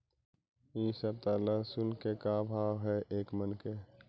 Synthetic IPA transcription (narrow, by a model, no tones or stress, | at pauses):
iːsəb̚t̪aːlasʊnkekabʱaːʋɦɛʔeːkmənke